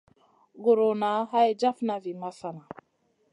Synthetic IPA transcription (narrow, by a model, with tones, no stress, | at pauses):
ɡo˨ɾo˨na˨˦ɦa˦jd͡ʒa˦fna˨vi˨ma˦sa˨na˨